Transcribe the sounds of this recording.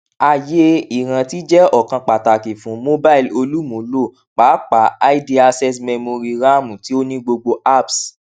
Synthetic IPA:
a˦˨je˦i˨ɾ̃ã˨˧ti˦d͡ʒɛ˦ɔ˦˨kã˧k͡pa˨ta˨ki˨fũ˨˦mo˦ba˦i˨lo˧lu˦mũ˨˦lo˦˨ | k͡paː˨˦k͡pa˨˦a˦i˦di˧˦a˧sɛ˦sme˧mo˧ɾi˧ɾa˦˨mũ˨ti˨˦o˦nĩ˦ɡ͡bo˧ɡ͡bo˧ʔa˦˨ps

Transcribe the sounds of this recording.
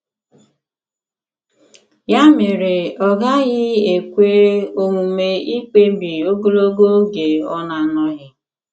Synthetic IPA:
ja˦mɪ˨ɾe˨ɔ˨ɡa˦ɣɪ˦e˨kʷe˦o˦ŋu˨me˦i˦k͡pe˦m˦bi˨o˦ɡo˦lo˦ɡo˦ɡe˨ɔ˦na˨nɔ˦ɣɪ˦

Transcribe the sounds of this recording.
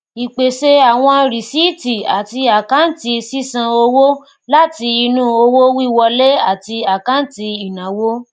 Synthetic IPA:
i˨k͡pe˨ʃe˦a˨w̃ɔ̃˧ɾi˨si˦ti˨a˨ti˧a˨kã˦n̩˨ti˧si˦sã˧o˧wo˦ | la˦ti˧i˧nũ˦o˧wo˦wi˦˨wɔ˧le˦a˦˨ti˧a˨kã˦n̩˦˨ti˧i˨nã˨˦wo˦

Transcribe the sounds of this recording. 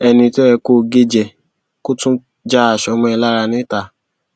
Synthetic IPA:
ɛ˧nĩ˧to˦ɛ˧ko˦˨ɡe˦d͡ʒɛ˨ | ko˦tũ˦ | d͡ʒa˦a˨ʃɔ˧mɔ̃˧˦ɛ˧la˦ɾa˧nĩ˦ta˨

